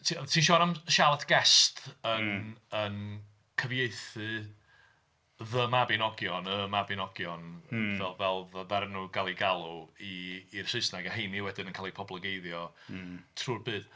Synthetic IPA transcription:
tʰitʰiːnʃɔːnamʃalˠatʰɡ̥ɛstʰənən | kʰəvjeɨθɨ | ðəmabɪnɔɡjɔnəmabɪnɔɡjɔnvɛlˠvɛlˠðəvɛɾnuɡalˠiɡalˠuiːr̥sɨsnaɡahejniwɛdɨnənkʰaːlˠipʰɔblˠəɡejðjɔ | tʰruːrbɨːd̥

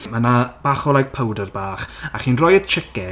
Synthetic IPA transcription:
manab̥aχɔlˠajɡ̚pʰəwdərbaːχaχiːnrɔjət͡ʃʰɪkɛ

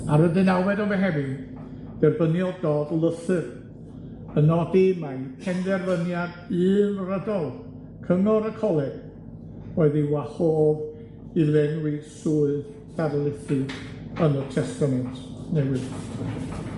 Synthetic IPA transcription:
aɾwədɨnawwɛdɔvɛɦɛvɨn | d̥ɛrbənjɔdɔːdlˠəθɨr | ənɔdeːmajpʰɛndɛrvənjad | ɨːlrədɔlˠ | kʰənɔɾəkʰɔlˠɛɡ̥ | oɨðɪwahoːv | ilɛnwɨsuːɨð | θaɾlˠɪθɨənətʰɛstamɛntʰnɛwɪð

